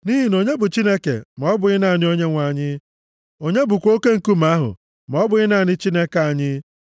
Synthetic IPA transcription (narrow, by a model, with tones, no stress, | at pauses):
ni˦ɦi˨n˨o˨ɲe˦bʊ˨t͡ʃi˦ne˦kḛ˨mɔ˦bʊ˨ɣɪ˦na˨nɪ˦o˦ɲe˦ŋʷa˨ɲɪ˦ | o˦ɲe˦bʊ˨kʷo˦ke˦ŋ̩˨ku˦m̩˨a˦ɦʊ̰˨ | m˨ɔ˦bʊ˨ɣɪ˦na˨ɲɪ˦t͡ʃi˦ne˦ka˦˨ɲɪ˦